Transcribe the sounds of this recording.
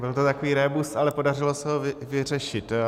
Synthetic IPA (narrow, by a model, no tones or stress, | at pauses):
bɪlt̪ot̪akoviːɾɛbust̪alɛpo̞darɪlosɛɦovɪvɪr̝ɛʃɪt̪